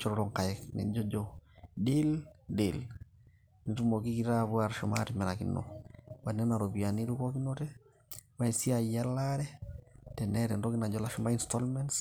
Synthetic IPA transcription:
t͡ʃɔ˦ɾɔɾɔ˨ŋka˨ɛknɛ̰˨d͡ʒɔ˦d͡ʒɔdildel | ni˨tu˦mo˨ki˦ki˦ɾa˦βwaɾʃɔma̰timɛ˨ɾa˨kḭnɔ̰wa˨nɛ˦na˨ɾɔbiani˦lukɔ˦ki˦nɔtɛ | wa˦isi˦a˨ja˦laɾɛtɛ˨nɛɾɛndɔ˦ki˦na˨d͡ʒɔla˦ʃɔma˦i˨nstɔlmɛns

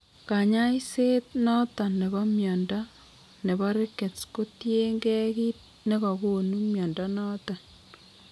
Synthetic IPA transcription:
ka˨ɲa˦i˦se˦t̪̚nɔ˦ta˨nːe˨βɔ˦mjɔ˨nda˦ | ne˨βɔ˦ɾe˦ke˨t͡sko˦tje˦ŋɡɛ˦ki˦t̚ | ne˦ɣɔ˨ko˨nu˦mjɔ˨nda˦nɔ˦ta˨n

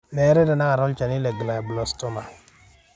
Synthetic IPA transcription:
nɛ˨˦ɾɛ˦dɛ˨na˦a˨ɾɔ˦lt͡ʃa˨ni˦lɛ˨ɡla˨blɔ˦stɔ˦ma˨

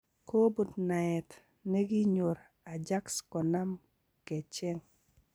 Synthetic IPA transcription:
ko˦bu˨tna˨ɛ˨t | nɛ˦ɡɪ˦ɲo˨ɾ | a˨d͡ʒa˦kskɔ˨na˦m | ke˨t͡ʃe˦ŋ

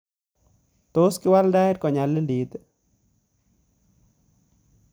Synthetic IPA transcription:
t̪o˦skɪ˦wa˦lda˦ɪ˦ɾkɔ˨ɲa˨le˦ndi˨d̪

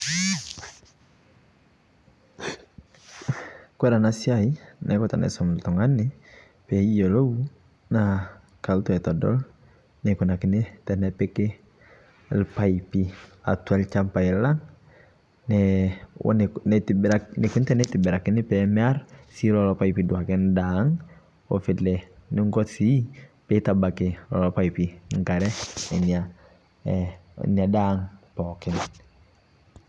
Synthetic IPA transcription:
kwɛ˦ɾa˨nasi˦ai˦nʔɛ˦kɔ˦ta̰˨nɛ̰˨sɔm˨ltɔ˨ŋa˦nɪ | pɛi˦jo˨lo˦wu | na | ka˨ltɔ˦ɛ˨tɔ˨dɔ̰˦l | neku˨na˨kɪ˦netɛnɛpe˦ke˦ | lpaipi˦a̰˨twa˦lt͡ʃampa˨i˨la˦ŋ | nɛ̰ | nnɛtɾane˨ku˦ntɛ˦nɛtɪbɛ˨ɾa˨kɪ˦nɪ˦pɛmɛa˦ɾsi˦ɾɔ˨lɔpa˦ipidwa˨kɛ˦ndaŋ | o̰˨fɪ˨lɛnɪ˦ŋɡɔ˦si˦petaba˨kɪlɔ̰˨lɔpa˦ipiŋɡa˨ɾɛ˦ɛ̰˨na | na˨daŋpɔkɪ˨n

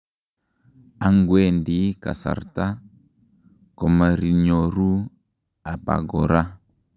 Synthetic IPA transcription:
a˦ŋɡwɛ˦˨ndi˦ka̰˨sa̰˨ɾta˦ | kɔ˨ma˨ɾi˨ɲɔ˨ɾu˦ | a˨pa̰˨ɡɔ˨ɾa˦

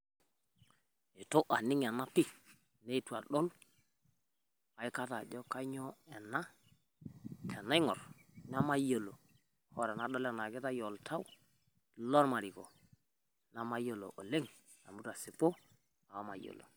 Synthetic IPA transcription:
i˨to˦ʔa̰˨ni˦ŋ˨a˨na˦pi˦ | ne˦tu˨a˨ɗɔ˦l | a˨i˦ka˦ta˨d͡ʒɔ˦ka˦ɲɔ˦ɛ˨na˦ | tʰɛ˨na˦i˦ŋɔ˨ɾn˦a˦ma˦jo˨lo̰˨ | hɔ˦ɾa˨na˨˦ɗɔ˦lɛ˨na˨ɡɛ˦ta˦jɔ˨ltʰa˦w | lɔ˦ɾma˨ɾi˨kɔ˨ | na˦ma˦jo˨lo̰˨ʔo˨le˦ŋ | a̰˨mu˦ta˨si˨po˦ | a˨wa˦ma̰˨jo̰˨lo̰˨

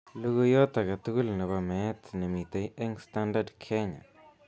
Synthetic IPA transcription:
lu˧ɡu˧jo˦t̪a˨ɡa˨t̪u˦ɡu˦lne˨βa˧me˨˦t̪ne˨mi˨t̪e˧je˦ŋst̪a˦nd̪a˦d̪kʰe˦ɲa̰˨

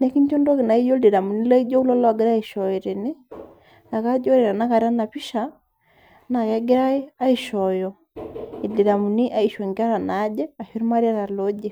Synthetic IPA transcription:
nɛ˦ki˦ɲt͡ʃɔ˦ndɔ˦ki˨na˨i˦jo˦ldi˨ɾa˨mu˨ni˦la˦i˦d͡ʒo˦lɔ˦lɔ˦a˨ɡɪ˦ɾa˦i˨ʃɔ˨i˨ɾi˨ni˦ | na˨ka˦d͡ʒɔ˦ɾe˨ɾa˨na˦ka˨ɾa˦na˨pi˦ʃa˨ | na˨kɛ˦ɡɪ˦ɾa˦i˦a˦i˨ʃɔ˨jɔ˨ | i˨di˨ɾa˨mu˨ni˦ʔa˨i˨ʃo˨ŋɡa˦ɾa˨na˨˦d͡ʒɛ˦a˨ʃu˦ɾma˦ɾja˦ɾa˨lo˦d͡ʒe˦

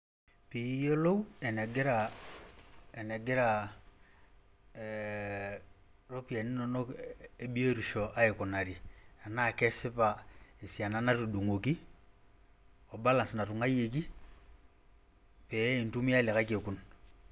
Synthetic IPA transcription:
pi˨˦jo˦lo˦u˦ɛ˨nɛ˨ɡɛ˦ɾa˨ | ɛ˨nɛ˨ɡɛ˦ɾa˨ | ɾo˦pi˨a˨ni˦nɔ˨nɔ˦e˦ɓi˦e˦ɾu˨ʃɔ˨ʔa˦i˨kɔ˨na˨ɾi˨a˨na˦˨kɛ˦sɪ˦pa˨i˨si˨a˨na˨˦na˦tu˨du˨ŋo˨ki˦ | ɔ˨ba˦la˨nsi˨na˨tu˨ŋa˦je˨k̬i˦ | pɛ˨˦i˨ntu˦mi˦a˦˨lɛ˨ka˦ke˨ku˨n

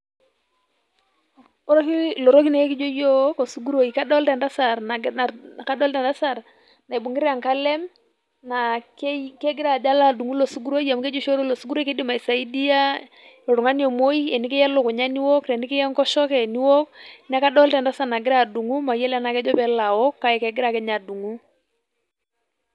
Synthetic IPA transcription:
ɔ˨ɾɔ˦ki˦lɔ˨ɾɔ˦ki˦na˨ɛ˦ki˦d͡ʒɔ˦jo˦kɔ˨su˦ɡu˦ɾo˨i˨ka˦dɔ˦ltɛ˨nda˦sa˨ɾna˨ka˦dɔ˦ltɛ˨nda˦sa˨ɾ | na˨jbu˨ŋɡɪ˦ɾa˨ŋka˦lɛ˦m | na˨kɛ˦ɡɪ˦ɾa˨d͡ʒa˦la˦˨du˨ŋu˦lo˨su˦ɡu˦ɾo˦i˦a˨mkɛ˦d͡ʒɔ˦ʃo˦ɾɔ˦lo˨su˦ɡu˦ɾo˦i˦ke˦di˦ma˨i˨sa˨i˦di˦ja˦ | ɔ˨ɾʊ˨ŋa˦njɔ˨mo˦i˦ɛ˨ni˦kɛ˦jɛ˦lo˨kʊ˨ɲa˦ni˦wɔ˦kɾɛ˨nɪ˦kɛ˦jɛ˦ŋkɔ˦ʃɔ˦kɛ˨ni˦wɔ˦kna˦ka˦dɔ˦ltɛ˨nda˦sa˦ɾna˨ɡɪ˦ɾa˨du˨ŋu˦ma˨jɛ˦lɛ˦na˨kɛ˦d͡ʒɔ˦pɛ˨˦la˨wɔ˦kːa˦ɛ˨kɛ˨ɡɪ˦ɾa˨kɛ˦ɲa˨du˨ŋu˦

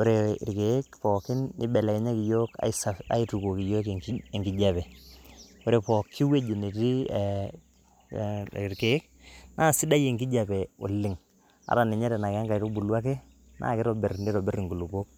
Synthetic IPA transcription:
o˦ɾḛ˨ɾke˨˦k̚pɔː˨kːɪ˦nɪ˦bɛ˨lɛ˨kɛ˨˦ɲa˦ki˨jo˦ka̰˨sa˨a̰˦i˦tu˨ko˨ki˨jo˦ke˨ŋɡi˨d͡ʒa˦pɛ˨ | o˦ɾe˨pɔ˨kʰːi˦we˦d͡ʒe˨ne˨ti˦˨ | ɾke˨˦k̚ | naː˦˨si˦da˦je˨ŋɡi˦d͡ʒa˨pɛ˨o˨lːɪ˨ŋ | a̰˨ɾa˨nɪ˨ɲɛ˦ɾɛ˨na˨ka˦ŋɡa˨i˨ɾo˦bu˨lwa˦k̬e˦ | nʔa̰˦˨kɪ˦ɾɔ˨be˨rni˦ɾɔ˨be˦ɾi˨ŋɡu˨lu˨po˦k̚

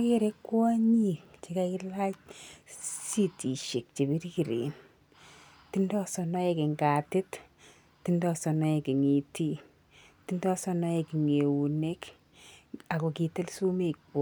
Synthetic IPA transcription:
ki˦ɾe˦kːwa˦ɲi˦t͡ʃe˦ka˦kɪ˦la˦t͡ʃ | si˦ti˨ʃe˨k̚t͡ʃe˨bi˦ɾki˨ɾḛ˨n | ti˦ndɔ˦sɔ˧nɔ˦e˦kɪ˨ŋɡa˨tɪ˦t | ti˦ndɔ˦sɔ˨nɔ˦e˨ki˨ŋi˨ti˦ | ti˦ndɔ˦sɔ˦nɔ˦e˨ki˨ŋe˨wu˨ne˦k | a˨ko˨ki˨te˦lsu˦me˨kɔ˦

